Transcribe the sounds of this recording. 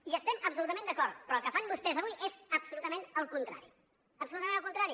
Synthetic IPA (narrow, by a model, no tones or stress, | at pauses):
iəst̪ɛməpsulut̪əmẽnd̪əkɔɾt̪pɾɔəlˠkəfanbust̪ɛzəβujʔezəpsulut̪əmenəlˠkunt̪ɾa̰ɾi | əpsulut̪əmenəlkunt̪ɾaɾi